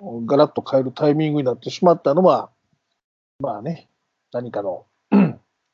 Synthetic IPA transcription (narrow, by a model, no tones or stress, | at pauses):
ɡaɾat̪ːo̞kʰaeɾɯ̟t̪ʰaimʲĩŋɡɯ̟ɲ̟inat̪ːe̞ɕimat̪ːano̞βa | maːne̞ | naɲ̟ikano